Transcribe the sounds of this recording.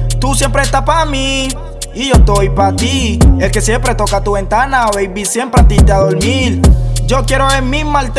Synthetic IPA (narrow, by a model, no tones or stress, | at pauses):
t̪usje̞mpɾeːst̪apaami | iʝost̪ojpat̪ielke̞sjempɾet̪o̞kat̪uβe̞nt̪anaoβejβisjempɾeat̪it̪aðoɾmild͡ʒokjeɾoemimalt̪